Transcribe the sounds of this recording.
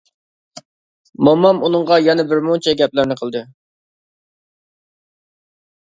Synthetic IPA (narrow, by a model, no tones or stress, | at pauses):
mɑmːɑmunɨŋʁɑjɛnɛbɪɾmoŋt͡ʃʰɛɡʲɛplɪɾnɪqʰəlˠd̪ɨ